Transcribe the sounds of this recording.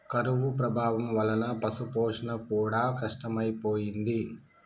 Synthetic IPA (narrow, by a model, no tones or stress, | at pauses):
kɐɾuʋupɾɐbʱaːʋɐmʋɐlɐnɐpɐsupoːʂɐnɐkuːɽaːkɐʂʈɐmɐjpoːjind̪i